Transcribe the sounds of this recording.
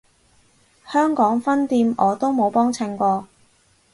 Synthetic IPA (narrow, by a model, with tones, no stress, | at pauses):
hœː˥ŋkɔː˨˥ŋfɐ˥nt̪iː˧mɔː˨˧t̪o˥wmo˨˧wpɔː˥ŋt͡sʰɪ˨˧˩ŋkʷɔː˧